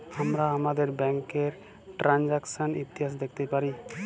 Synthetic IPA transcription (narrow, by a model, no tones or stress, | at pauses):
amɾaamad̪eɾbɛŋkeɾ | ʈɾand͡ʒaksanḭt̪iɦas̬d̪ɛk̚ʰt̪epaɾi